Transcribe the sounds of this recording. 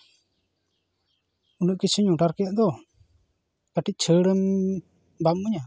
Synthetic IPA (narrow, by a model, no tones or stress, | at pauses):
unuʔ̚kisʰuɲuʈaɾkɛjaʔd̪ɔ | kaʈic̚ˀt͡ʃʰəɽəm | bam̚uɲa